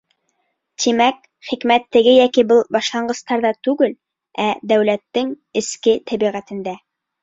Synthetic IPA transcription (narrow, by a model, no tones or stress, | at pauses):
t̪imæk | χikmæt̪ːɘ̆ɡɘjækibɤlˠbɑʃlˠɑɴɢɤ̆st̪ɑɾðɑt̪ʉɡɘl | æd̪æwlæt̪ːɘŋ | ɘ̆skɘt̪ʰæβiʁæt̪ɘ̆nd̪æ